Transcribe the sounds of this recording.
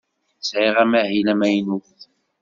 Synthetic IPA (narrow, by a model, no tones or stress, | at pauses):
sʕiʁæmæhilæmæjnuθ